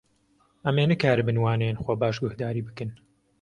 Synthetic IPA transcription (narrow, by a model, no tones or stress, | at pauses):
ʔɐmeːnɨkʰaːɾɨbɨnwaːnenxobaːʃɡʊhd̪aːɾiːbɨkɨn